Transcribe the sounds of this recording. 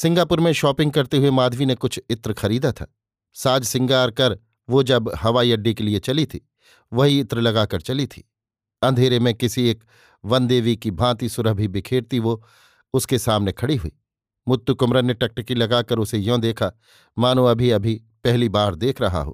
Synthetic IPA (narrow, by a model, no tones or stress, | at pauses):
sɪ̃ŋɡaːpʊɾmẽʃɔːpɪ̃ŋɡ̚kɐɾt̪eɦʊemaːd̪ʱʋinekʊt͡ʃʰɪt̪ɾxɐɾiːd̪at̪ʰa̰ː | saːd͡ʒsɪ̃ŋɡaːɾkɐɾ | ʋod͡ʒɐbɦɐʋaːiɐɖːikeliet͡ʃɐlit̪ʰiː | ʋɐɦiɪt̪ɾlɐɡaːkɐɾt͡ʃɐlit̪ʰḭː | ɐ̃nd̪ʱeːɾemẽkɪsieːk | ʋɐ̃nd̪eːʋikibʱãːt̪isʊɾəɦbʱibɪkʰeːɽt̪iʋo | ʊskesaːmnekʰɐɽiɦʊiː | mʊt̪ːukʊmɾənːeʈɐk̚ʈəkilɐɡakɐɾʊsejõd̪eːkʰa | maːnũɐbʱiɐbʱi | pɛɦlibaːɾd̪eːkʰɾɐɦa̰ɦo̰ː